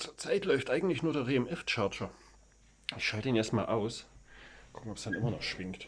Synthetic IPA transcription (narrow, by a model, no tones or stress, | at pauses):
t͡suːɐt͡saɪtlɔʏftʔaɪɡŋ̩tlɪçnuːɐdeɐʁeːɛmʔɛft͡ʃaɐt͡ʃɐ | ɪçʃaltəiːnjɛstma̰ːlʔaʊs | kʰʊ̥kŋ̩ɔpsd̥anʔɪmɐnɔχʃv̥ɪŋkt